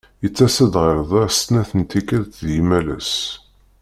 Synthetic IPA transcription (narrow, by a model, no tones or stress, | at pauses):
jət͡sːæsəd̪ʁəɾðˤɑɾst̪næθənt̪ikəɾt̪ðjimælæ̰s